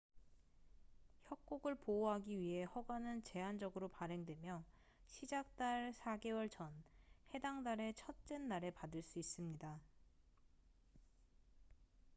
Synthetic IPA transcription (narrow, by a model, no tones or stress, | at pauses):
çjʌk̚k͈oɡɯɭpooɦaɡiɥiɦe̞hʌɡanɯnt͡ɕe̞ɦand͡ʑʌɡɯɾopaɾe̞ŋdwe̞mjʌ | ɕʰid͡ʑak̚t͈aɭsʰaɡe̞wʌɭt͡ɕʰʌnhe̞daŋdaɾe̞t͡ɕʰʌt̚t͡ɕ͈enːaɾe̞padɯɭs͈uis͈ɯmɲida